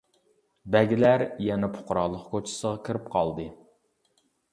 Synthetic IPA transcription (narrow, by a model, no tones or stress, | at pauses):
bɛɡʲilæɾjɛnɛpʰʊ̥qʊɾɑlˠːəχkʰot͡ʃʰɪ̥səʁɑkʲʰiɾɪp̚qʰɑlˠd̪ɨ